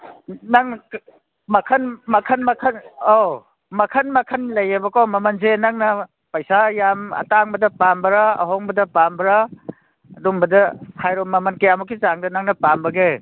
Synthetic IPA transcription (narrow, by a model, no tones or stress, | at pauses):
naŋ | mɐkʰɐnmɐkʰɐnmɐkʰɐno | mɐkʰɐnmɐkʰɐnlɐjebɐkowmɐmɐnzenaŋnɐ | pɐjsajamɐ̰taŋbɐdɐpambɐɾaɐ̰ɦoŋbɐdɐpambɐɾa | ɐdumbɐdɐhajɾomːɐmɐnkejamukʰit͡ʃaŋdɐnaŋnɐpambɐɡe